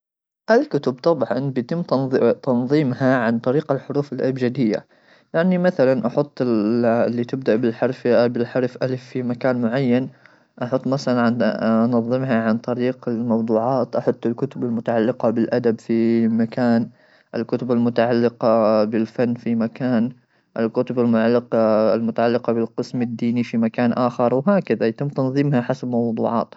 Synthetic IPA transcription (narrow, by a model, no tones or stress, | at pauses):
ʔalkʊt̪ʊbt̪ˤɑbʕɑ̰nbjat̪ɪmːt̪t̪ɑnðˤiːmhaʕant̪ˤɑɾiːqalħʊɾuːfɪlʔalbd͡ʒad̪ɪjːa̰ | jaʕnimaθalanʔɑħʊt̪ˤːɪlːit̪ɪb̚d̪aʔbɪlħɑɾˤfbɪlħɑɾˤfʔalfːimakaːnmʊʕajːan | ʔɑħʊt̪ˤːmaθalanʕnnɑðˤːɨmhaʕant̪ˤɑɾiːqɪlmɑwd̪ˤuːʕɑːt̪ʔɑħɑt̪ˤːɪlkʊt̪ʊbalmʊt̪aʕalːɪqɑbɪlʔad̪abfimakaːn | ʔɪlkʊt̪ʊbalmʊt̪aʕalːɪqɑbɪlfanːfimakaːn | ʔɪlkʊt̪ʊbalmʊʕalːɪqlmʊt̪aʕalːɪqɑbɪlqɨsmɪd̪ːiːnifimakaːnʔaːxɪɾˤwɦaːkaðajat̪ɪmːt̪ɑnðˤimhaħasabmɑwd̪ˤṵːʕɑ̰ːt̪